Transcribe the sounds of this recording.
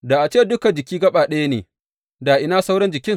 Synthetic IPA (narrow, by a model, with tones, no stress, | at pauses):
da˨ʔa˨t͡ʃeː˦dʊ˦kɐ˨d͡ʒɪ˨kʲiː˦ɡɐ˦ɓaː˨ɗɐ˦ja˦nḛː˨ | daː˨ʔɪ˦naː˦sa˦wɽɐ˦nd͡ʒɪ˨kʲɪ˦ŋ